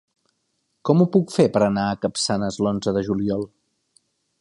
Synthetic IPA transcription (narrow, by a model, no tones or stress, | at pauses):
kɔmupukfepəɾənaəkəpsanəzlonzəðəʒuliɔlˠ